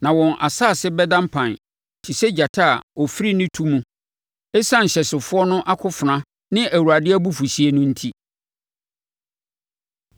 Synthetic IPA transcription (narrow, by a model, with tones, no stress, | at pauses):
nã˨wɔ̃˨nʔa̰˨saː˦˨sɪ˦bɛ˦dã˦m˦pʰã˨n | tʰi˨sɛ˦d͡ʑa˨tʰa˦a˨ɔ˨fi˦ɾi˦nɪ̃˦tʰu˦mũ˦ | ɛ˦sã˦n̩˨ɕɛ˨sɪ˨fʊ˦ɔ˦nʊ̃˦ʔa˦kʰʊ˦fʊ˨nã˦ | nɪ̃˦ʔæ˨wu˨ɾa˨dɪ˦æ˦bu˦fu˨ɕi˨˦e˦nʊ̃˦n̩˦tʰi˦